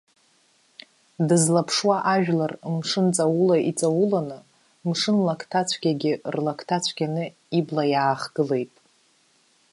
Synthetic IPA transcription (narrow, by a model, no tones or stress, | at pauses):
dɨzlapʰʂwaʔaʒᶣlarmʂɨnt͡sʼawulaʔit͡sʼawulanɨ | mʂɨnlakʰtʰat͡ɕʷʰɡʲaɡʲɪrlakʰtʰat͡ɕʷʰɡʲanɨ | iblajaːχɡ̥ɨle̞jtʼ